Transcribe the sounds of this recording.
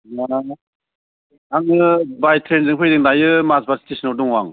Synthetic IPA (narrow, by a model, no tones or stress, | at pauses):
la | aŋɯbajtʰɾenzɯŋpʰɯjdɯŋnajɯmasbaɾsi̥tisnɔduŋwaŋ